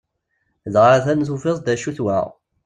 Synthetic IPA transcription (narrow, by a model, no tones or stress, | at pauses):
zʁɾæθænθufesˤd̪æʃuθwæ̰